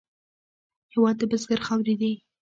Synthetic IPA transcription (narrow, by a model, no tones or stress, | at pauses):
hɪwɑd̪̚ːəbəzɡaɾxawɾid̪i